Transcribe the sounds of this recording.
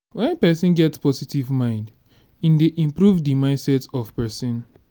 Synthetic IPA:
wɛ̃npɛsĩnɡɛtspɔsitivmãɪ̃nd | ĩndeʔĩmpɹuvdimãɪ̃ndsɛtɔvpɛsɔ̃n

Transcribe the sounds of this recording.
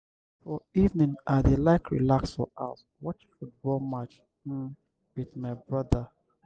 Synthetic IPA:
fɔivnĩŋaðelaɪkɹḭlaksfɔ̰ʔa̰s | wɔt͡ʃfut̚bɔlmat͡ʃ̩ | wiθmaɪbɹʌðə

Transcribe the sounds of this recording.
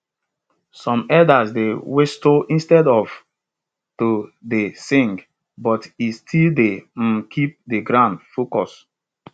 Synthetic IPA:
sɔ̃mɛdasdewestoʔĩnstɛdɔv | todesĩŋɡ | bɔtistʰildem̩kʰip̚deɡɾãndfokɔs

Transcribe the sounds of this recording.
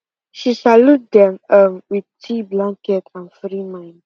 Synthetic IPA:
ʃisalut̚dɛ̃mʌmwid̚tʰiblãŋkɛtʰãnfɾimãɪ̃n

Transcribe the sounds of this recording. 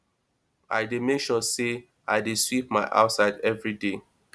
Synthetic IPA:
a̰ɪdemekʃɔse | a̰ɪdeswipmaɪʔa̰ʊtsaɪdɛvɹide

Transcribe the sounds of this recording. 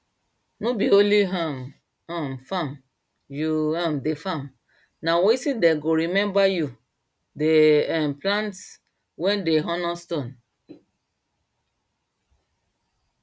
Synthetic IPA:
nobioliɦãm | amfam | juãmdefam | naweisideɡoɾimɛ̃mbaju | deɛmplãnts | wɛ̃ndeɦɔ̃nɔstõn

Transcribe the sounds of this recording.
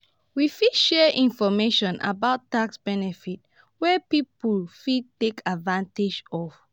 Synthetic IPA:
wifidʃɛʔĩnfɔmeʃɔ̃nʔa̰baʊtːaksb̥ɛnɛfit̚ | wɛpipulfid̚tekʰadvãnted͡ʒɔf

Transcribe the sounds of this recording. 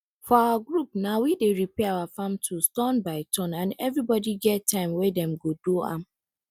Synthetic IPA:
fɔawaɡɹupnawideɹipɛawafãmtʰustɔ̃nbaɪtʰɔ̃nãnɛvɹibɔdiɡɛttʰːãɪ̃mwedɛ̃mɡoduã̰m

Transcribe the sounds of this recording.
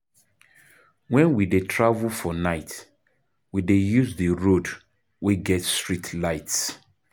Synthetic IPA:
wɛ̃nwidetʰɹavlfɔnaɪt | widejuzðəɹod | wiɡɛtstɹitʰlaɪts

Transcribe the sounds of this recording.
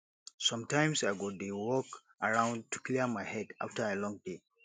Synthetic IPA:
sɔ̃mtãɪ̃msajɡɔdewɔk | aɹãʊ̃n̚tukliəmaɪhɛda̰ftəɛlɔ̃ŋde

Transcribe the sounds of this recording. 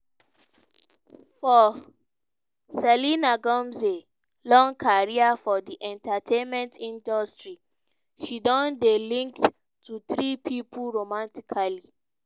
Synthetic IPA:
fɔ | sɛlinaɡɔ̃mze | lɔ̃ŋkʰaɹiafɔdiʔɛ̃ntatʰẽnmɛ̃ntʰĩndɔstɹi | ʃidɔ̃ndilĩŋkt | tʰːuθɹipʰipʰuɹomãntikʰali

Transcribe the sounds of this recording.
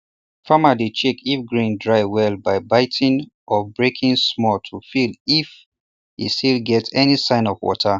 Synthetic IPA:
famalit͡ʃekʰifɡɹĩndɹaɪwɛlbaɪbaɪtʰĩŋʔɔbɹekʰĩŋsmɔltʰufilif | ḭstilɡɛtɛnisãɪ̃nɔvwɔ̰tʰə

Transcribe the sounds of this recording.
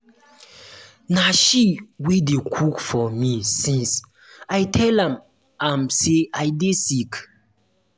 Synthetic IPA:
naʃiwidekʰukfɔmisĩns | ajtʰɛlãm | ãmseajdesik

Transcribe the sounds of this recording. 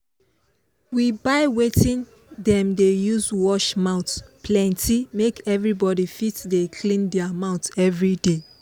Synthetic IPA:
wibaɪwetĩn | dɛ̃mdejuzwɔʃmãʊtpʰlɛ̃ntʰimekɛvɹibɔdifitdekʰlĩndɛamãʊtɛvɹide

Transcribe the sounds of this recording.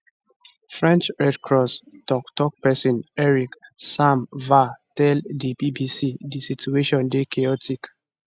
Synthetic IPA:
fɹɛ̃nt͡ʃɹɛdkʰɹɔstɔktɔk̚pɛsɔ̃nɛɹiksãmvatɛldibibisidisitueʃɔ̃ndekʰeɔtik

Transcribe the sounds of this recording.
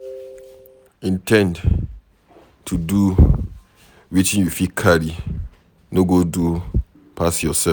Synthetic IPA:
ĩntʰɛ̃nd | tʰudu | witĩnjufikʰali | noɡodu | pʰasjɔsɛ

